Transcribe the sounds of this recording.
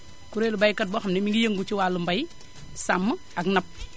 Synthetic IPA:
kuɾelubajkat̚boxamnimiŋɡijeŋɡut͡ʃiwalumbaj | samːə | aknap̚

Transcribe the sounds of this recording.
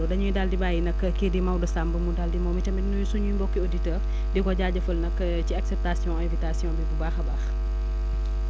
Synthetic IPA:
ɔdɐɲujidaldibaːjinɐkːkːedimɐwdɐsambəmudaldimɔwmitɐmɛnujusuɲumbɔkːioditɛːr | dikɔɟaːɟɐfɐlnɐkː | ciaksɛp̚tasijɔ̃ɛ̃vitasijɔ̃bibubaːxɐbaːx

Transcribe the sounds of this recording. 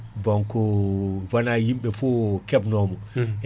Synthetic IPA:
bɔŋkɔwanahimɓɛfɔkɛbnɔmɔj

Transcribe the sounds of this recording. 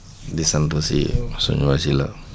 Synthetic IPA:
disant̪usḭsṵɲuwasila̰

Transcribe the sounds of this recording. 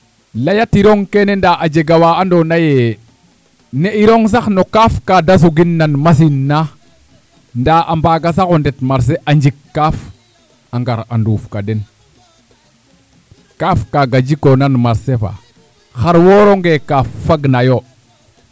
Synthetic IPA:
lajatiɾoŋkenendaʔad͡ʒeɡawaandonaje | neiɾoŋs̬axnokafkadas̬uɡinːanmas̬inːa | ndaːʔambaːɡas̬akondetmaɾs̬eʔaɲd͡ʒikːaf | aŋɡaɾa̰nduːfkaden | kafkaɡad͡ʒikonanmaɾsefa̰ | xaɾwoɾoŋɡekafaɡnajo

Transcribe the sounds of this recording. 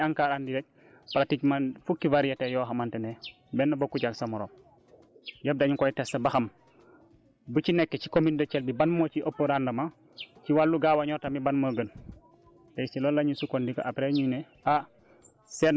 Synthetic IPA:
aŋkaːɾandiɾɛk̚ | pɾaticmanfukːivaɾijɐtɛjɔːɦɐmantɛnɛ | bɛnːɐbokːuɟaksɐmɔɾɔːm | jɐb̚daɲukɔjtɛstɐbɐxɐm | but͡ʃinɛkːɛcikomindɐt͡ʃɛlbibanmɔːt͡ʃiʔopːoɾandɐma | t͡ʃiwalːuɡaːwaɲɔːtamibanmoːɡən | pɛjsilɔlːaɲisukɔndikɔ̰ʔapɾɛɲunɛ | a | sɛn

